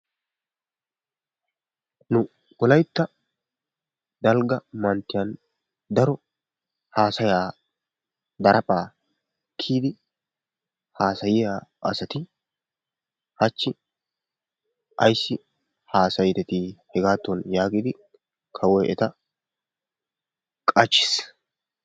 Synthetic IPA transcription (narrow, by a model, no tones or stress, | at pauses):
nʊ | wɔlɐjt̪ːɐ | d̪ɐlɡɐmɐnt̪ːɪjɐn | d̪ɐɾɔ | haːsɐjaː | d̪ɐɾʔɐpʼaː | kʰːiːd̪ɪ | haːsɐjɪjaːʔɐ̰sɐt̪ɪ | hɐt͡ʃːɪ | ʔɐ̰jsːɪ | haːsɐjd̪ɛt̪ihɛɡaːt̪ːɔnjaːɡiːd̪ɪ | kʰɐwɔjʔɛ̰t̪ɐ | kʼɐt͡ʃːɪ̥s